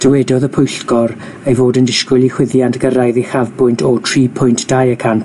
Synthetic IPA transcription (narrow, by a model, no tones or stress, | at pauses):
d̥əwɛdɔðəpʰʊjɬɡɔr | ejvoːdəndɪskʊlˠiχwɪðjantɡəɾajðiχavbʊjntʰɔtʰriːpʰʊjntʰd̥ajəkʰan